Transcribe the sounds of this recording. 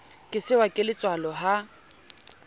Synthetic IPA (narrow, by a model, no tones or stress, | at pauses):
kʼɪsɪwakʼɪlɪt͡sʼwalɔɦa